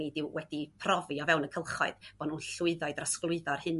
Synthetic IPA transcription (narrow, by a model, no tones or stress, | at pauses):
idɪwwɛdipʰrɔviɔvɛwnəkʰəlˠχɔɨðb̥ɔnunɬʊɨðaɨdrasklˠʊɨðarhɨn